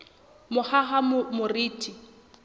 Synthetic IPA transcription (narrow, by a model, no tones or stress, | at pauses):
mʊhaɦammʊriːtʰʼi